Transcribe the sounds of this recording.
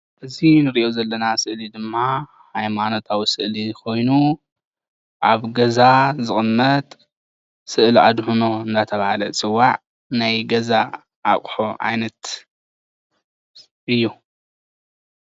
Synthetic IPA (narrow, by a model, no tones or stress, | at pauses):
ʔɨzinɨɾiʔozɐlːɐnasɨʔlid̪ɨmːa | hajmano̞t̪ʰawisɨʔlikʰo̞jnu | ʔaβɡɐzazɨχʼɨmːɐt̪ʼ | sɨʔla̰d̪hunoɨnːat̪ʰɐβahalɐt͡sʼɨwːaʕ | najɡɐza | ʔa̰kʼħoʔa̰jnɐt̪ | ʔɨjːu